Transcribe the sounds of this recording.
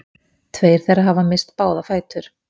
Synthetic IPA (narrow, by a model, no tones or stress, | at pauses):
t̪ʰveːjɾ̥θɛrːaɦavamɪst̪paːwðafaːjt̪ʏɾ̥